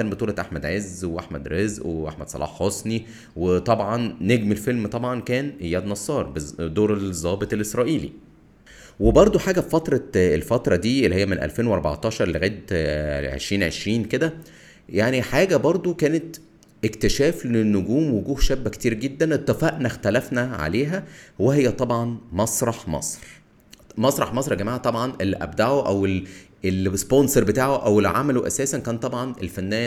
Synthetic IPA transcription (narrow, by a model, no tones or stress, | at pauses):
æːnbet̪uːlɑʔaħmæd̪ʕezweʔaħmæd̪ɾezʔweʔaħmæd̪̥sˤɑ̰lʔɑ̰ːħːosˤni | wet̪ˤɑbʕɑnːeɡmelfelmt̪ˤɑbʕɑnkæːnʔejːæːd̪nɑsˤːɑːɾˤbed̪oːɾezˤɑːbet̪ˤelʔesɾˤɑːʔiːlḭ | webɑɾˤd̪ˤoħaːɡæfɑt̪ɾˤɑelfɑt̪ɾˤɑd̪iːelːihejːæmenʔæ̰lfeːnweʔɑɾˤbɑ̰ʕt̪ˤɑːʃɑɾˤleɣæːt̪ʕḛʃɾiːnʕḛʃɾiːnked̪æ | jaʕniħaːɡæbɑɾˤd̪ˤokæːnet̪ | ʔekt̪eʃæːflenːoɡuːmwoɡuːhʃæbːækt̪iːɾɡed̪ːænʔet̪ˤːefæʔnæxt̪ælæfnæʕa̰leːɦæwehejːæt̪ˤɑbʕɑnmɑsˤɾˤɑħmɑ̰sˤɾ | mɑsˤɾˤɑħmɑsˤɾˤɡæmaːʕat̪ˤɑbʕɑnʔelːiʔæ̰bd̪aʕoʔæwel | elsponsoɾˤbet̪aːʕoʔæwelʕa̰mæloʔæ̰sæːsænkæːnt̪ˤɑbʕɑnʔḛlfænːæː